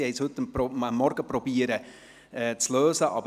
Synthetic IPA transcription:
hɛɪshɵt̪ːəpɾɔəmːɔɾɡ̥əpɾɔbiːəɾə | ɛːt͡sløːsəʔɑ̰b

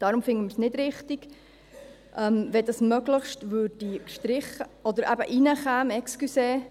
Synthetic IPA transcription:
d̥ɑɾumfɪŋəmɪɾsnɪdɾɪχtiɡ̥ | ʔɛmvɛdɑsmœɡləχʃtvøːd̥ikʃtɾɪχːəʔɔd̪əɾʔæbə̰ʔinəχæːmɛkskyseː

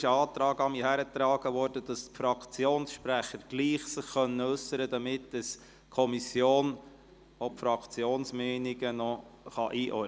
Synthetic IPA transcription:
ɪʃəɑːt̪ɾɑːɡɑmiːhæɾət̪ɾɑːɡəʋɔɾd̥əd̥ɑstfɾɑkt͡sjoːnsʃpɾæχəɾɡ̥liːχsɪχχœnːəɵsːəɾəd̪ɑmɪtɛs | kʰɔmisjoːn | ɔpfɾɑkt͡sjoːnsmɛɪniɡənɔχɑʔiːʔɔ

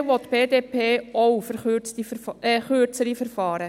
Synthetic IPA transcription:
wʋɔtːb̥eːdeːpʰeːowfəɾχt͡stiχøːɾt͡səɾifəɾfɑːɾə

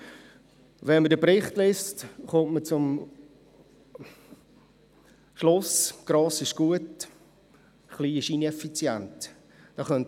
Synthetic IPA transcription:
ʋɛnmədəpɾɪχtlɪːstχʊntmət͡sʊm | ʃlʊsɡ̥ɾɑːsɪʃɡ̥uət | χliːɪʃinɛfit͡sjɛnt | d̥ɑːχœnt

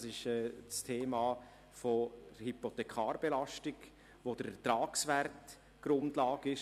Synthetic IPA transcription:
sɪʃɛt͡stʰeːmaː | fohipot̪ɛkʰɑːɾb̥elɑʃtɪɡ | ʋod̥əɾɛtɾaːksʋɛrt | ɡ̥ɾʊndlɑːɡɪʃ

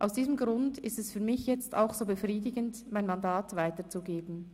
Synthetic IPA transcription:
ʔaʊsd̥iːzəmɡʁʊndɪstɛsfyːɐmɪçjɛt͡sta̰ʊxz̥oːbəfʁiːdɪɡəntmaɪnmandaːtv̥aɪtət͡suɡeːbn̩

